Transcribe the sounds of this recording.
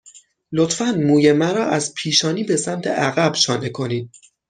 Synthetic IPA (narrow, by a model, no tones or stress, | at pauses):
lo̞t̪fænmuːje̞mæɾɒːʔæzpʰiːʃɒːniːbe̞sæmt̪ʰe̞̰ʔæɣæbʃɒːnekʰo̞niːd̪̥̚